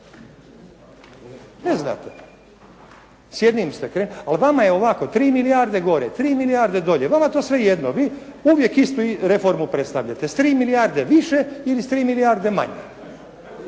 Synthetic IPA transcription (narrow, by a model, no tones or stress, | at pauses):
nezna̰ːt̪e̥ | sjed̪nimst̪ekɾenalʋamajeo̞ʋakot̪ɾiːmilijaɾd̪e̞ɡo̞ɾet̪ɾiːmilijaɾd̪e̞d̪o̞ʎe̞ʋamat̪oːsʋe̞jed̪noʋiː | uʋje̞kist̪uiɾe̞fo̞ɾmupɾe̞t̪st̪aʋʎat̪est̪ɾiːmilijaɾd̪e̞ʋiʃeilist̪ɾiːmilijaɾd̪e̞ma̰ɲḛ